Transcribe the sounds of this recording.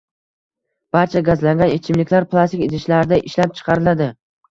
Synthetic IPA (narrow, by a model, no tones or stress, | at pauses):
b̥aɾt͡ʃʰaɡazlaŋɡʲanet͡ʃʰɪmlɪkʲlaɾplˠast̪ikʲɪt̪ʰɪʃlaɾɪd̪aʔɪʃlap̚t͡ʃʰɨ̥qʰɑɾɪlad̪ɪ